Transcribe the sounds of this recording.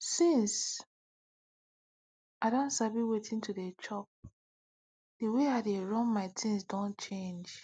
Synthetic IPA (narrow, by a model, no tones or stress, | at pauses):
sĩns | aɪdɔ̃nsabiwetʰĩntudet͡ʃɔp̚ | d̥iweadeɹɔ̃nmaɪtʰĩnsdɔ̃nt͡ʃẽnd͡ʒ